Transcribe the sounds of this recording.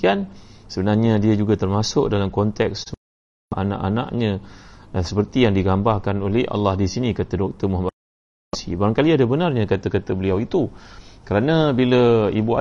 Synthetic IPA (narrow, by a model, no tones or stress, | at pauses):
iansəbənarɲadiad͡ʒuɡat̪ərmasʊʔ̚dalamkɔnt̪ɛks | ʔa̰na̰ʔanã̰ʔɲã | səpərt̪ijaŋdiɡambarkanolehʔa̰lːɑhdisinikat̪adɔk̚t̪əmuɦama | sḭbaɾaŋkaliadabənarɲãkat̪akat̪abəliawit̪ukəɾanãbiləibua̰